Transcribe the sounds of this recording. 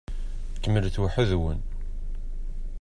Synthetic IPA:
kːəmːəlθwaħəðwə̰n

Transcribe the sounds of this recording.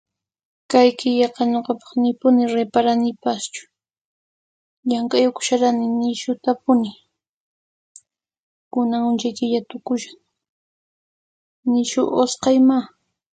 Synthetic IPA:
kajkɪʎɑqɑnoqɑpɑ̥χnɪpʊnɪɾepaɾanɪpast͡ʃʊ̥ | ʎaŋkajʊkʊ̥ʃaɾanɪnɪʃʊt̪apʊnɪ | kʊnaŋʊnt͡ʃajkɪʎat̪ʊkʊʃaŋ | nɪʃʊ̰ʔosqɑjma

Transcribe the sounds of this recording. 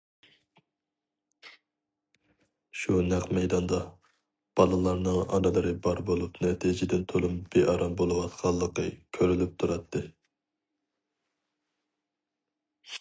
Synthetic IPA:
ʃunæqmɛjd̪ɑnd̪ɑ | b̥ɑlˠɨlˠɑɾnɨŋɑ̰nɨlˠɨɾɨbɑɾbolˠupnɛt̪ʰid͡ʒɪd̪ɪnt̪ʰolˠumbeʔɑɾɑmbolˠɨwɑt̪qʰɑlˠːəqə̰kʲʰøɾylyp̚t̪ʰuɾɑt̪ʰːɨ

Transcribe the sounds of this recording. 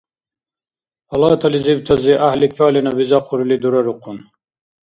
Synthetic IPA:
pɐlɑːt̪ʰɐlizib̚t̪ʰɐziʔahlikʰɑːlinɐbizaquɾilid̪uɾɐɾuqun

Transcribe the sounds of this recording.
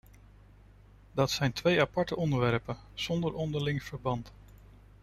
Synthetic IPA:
dɑtsɛjntʋejapɑɹtəʔɔndəɹʋɛɹpən | z̥ɔndəɹʔɔndəɹlɪŋv̥əɹbɑnt

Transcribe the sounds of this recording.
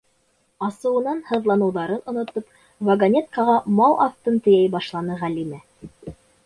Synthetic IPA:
ɑsɤ̆wɤ̆nɑnhɤ̆ðlˠɑnɤ̆wðɑɾɤnŏnŏt̪op | vɐɡɐnʲet̪̚kɑʁɑmɑlˠʔɑft̪ɤnt̪ɵ̆jæjbɑʃlˠɑnɤʁælimæ

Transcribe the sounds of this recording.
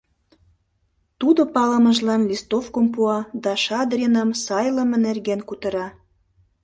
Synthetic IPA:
t̪ud̪opɑlə̆mə̆ʒlɑnlʲist̪ofkompuɑd̪ɑʃɑd̪rʲinəmsɑjlə̆mə̆nerɣenkut̪ə̆ɾɑ

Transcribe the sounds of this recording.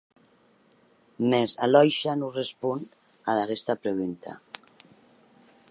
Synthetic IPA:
mezalɔjʃanurespun | aðaɣɛst̪apɾeɣunt̪ʰa̰

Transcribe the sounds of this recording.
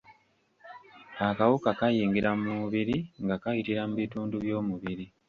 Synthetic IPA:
akawukakajiːŋɡiɾamuβiɾiŋɡakajitiɾamuβituːnduβjo̞ːmuβiɾi

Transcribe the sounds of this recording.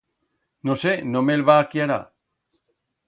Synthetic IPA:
nosenomelβaːkiaɾa̰

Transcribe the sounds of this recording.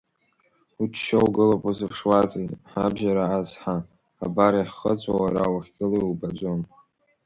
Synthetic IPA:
ut͡ʃʃowɡɨlopʼuzɨpʰʂwazejħabʒaɾaazħa | a̰baɾiħχəd͡zʷʼawaɾa̰waχʲɡʲɪlojubad͡ʒʷon

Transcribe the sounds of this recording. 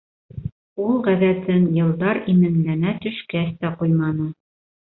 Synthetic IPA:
ulˠʁæðæt̪ɘnjɤ̆lˠd̪ɑɾimɘ̆nlænæt̪ɵ̆ʃkæst̪æqujmɑnɤ

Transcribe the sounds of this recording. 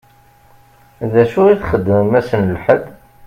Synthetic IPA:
ðæʃʊɾiθχəd̪ːəmæsənlħəd̪

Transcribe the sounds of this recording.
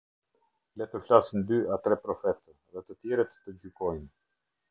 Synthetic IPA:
lɛt̪əflasind̪yat̪ɾɛpɾɔfɛt̪ə | ðɛt̪ət̪jɛɾɛt̪əd͡ʑykɔjn

